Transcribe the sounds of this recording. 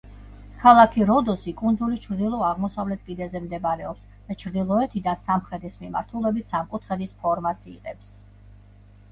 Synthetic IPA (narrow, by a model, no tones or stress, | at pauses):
kʰalˠakʰiɾɔd̪ɔsikʼund̪zulit͡ʃʰɾd̪ilˠɔaʁmɔsavlɛt̪̚ʰkʼid̪ɛzɛmd̪ɛbaɾɛɔps | d̪̥at͡ʃʰɾd̪ilˠɔɛt̪ʰid̪ansamχɾɛt̪ʰismima̰ɾt̪ʰulˠɛbit̪ʰsamkʼut̪ʰχɛd̪ispʰɔɾmasiqʼɛps